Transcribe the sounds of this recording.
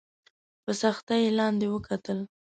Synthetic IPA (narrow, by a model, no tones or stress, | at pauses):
pəsaxt̪ajlɑnd̪ewəkʰat̪əl